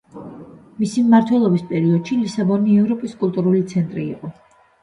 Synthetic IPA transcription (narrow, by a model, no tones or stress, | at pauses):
misimmaɾt̪ʰwɛlˠɔbispʼɛɾiɔd̪̥ʃilisabɔniɛvɾɔpʼiskʼulˠt̪ʼuɾulit̪sʰɛnt̪ʼɾḭːqʼɔ